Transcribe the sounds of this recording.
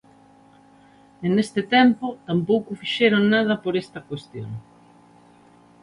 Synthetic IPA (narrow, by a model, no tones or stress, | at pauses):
enest̪ɪt̪ɛmpot̪ampowkʊfiʃeɾoŋnað̞ɐpoɾest̪ɐkwest̪jo̰ŋ